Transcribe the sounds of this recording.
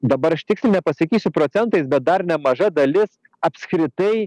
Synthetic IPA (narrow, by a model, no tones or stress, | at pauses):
d̪ɐbɐɾɐʃt̪ʲɪksʲlʲɪnʲɛpɐsɐkʲiːsʲʊpɾoːt̪sʲɛnt̪ɐɪsbʲɛt̪̚d̪ɐɾnʲɛmɐʒɐd̪ɐlʲɪs | ɐpʲskɾʲɪt̪ɐɪ